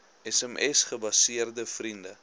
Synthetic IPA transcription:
ɛsɛmʔɛsχəbɐsiərdəfrində

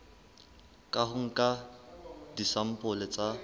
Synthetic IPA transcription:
kʼaɦʊŋ̩kʼa | disam̩pʼʊlɪt͡sʼa

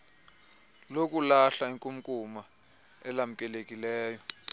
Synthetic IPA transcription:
lok̬ʼulaɬaiŋkʼum̩kʼuma | ɛlam̩kʼɛlekʼilɛːjɔ

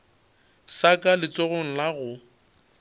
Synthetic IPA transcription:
sakʼalɪt͡soɣʊŋ̩laɣʊ

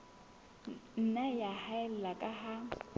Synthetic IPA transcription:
n̩najahaɛl̩lakʼaɦa

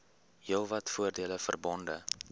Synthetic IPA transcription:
ɦilˠvɐtfuərdiələfə̰rbɔndə

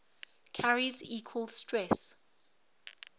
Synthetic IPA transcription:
kʰaɹiziːkʰwəlˠstɹɛs

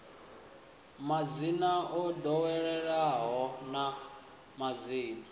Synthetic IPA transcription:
mad͡zinaʔɔd̪ɔwɛɺɛɺaɦɔna | mad͡ziːna

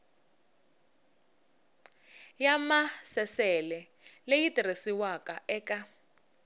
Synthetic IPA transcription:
jamasɛsɛlɛ | lejitʼiresiwakaʔɛːka

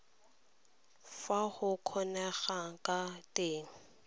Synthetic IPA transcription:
fahʊkʰɔnɛɣakatʼeːŋ̩

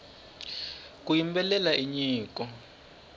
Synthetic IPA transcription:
k̬ʼujimbɛlɛlaʔiɲiːkɔ

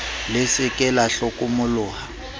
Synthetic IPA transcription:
lesɪkʼɛlaɬokʼumʊlʊːha

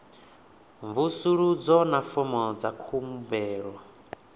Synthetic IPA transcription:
ɱvusuɺud͡zɔnafɔmɔd͡zakʰumubɛːɺɔ

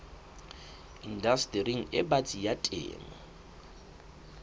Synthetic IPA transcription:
indastʼriŋ̩ɪbat͡sʼijatʼḛːmɔ

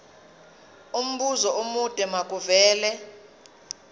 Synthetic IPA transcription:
um̩ɓuzɔomud̥ʱʼɛmak̬ʼuvɛːlɛ

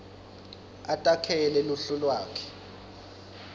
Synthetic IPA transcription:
atʼakʰɛlɛluɬulwaːkʰɛ̥

